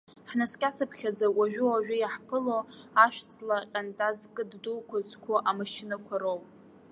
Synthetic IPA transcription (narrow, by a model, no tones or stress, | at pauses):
ħnaskʲʼat͡sʰapʰχʲad͡zawʷaʒᶣʊaʒᶣʊjaħpʰɨloaʃᶣt͡sʰʼlaqʲʼantʼazkʼɨddowkʷʰazkʷʰaʔamaʃɪnakʷʰaɾowʼ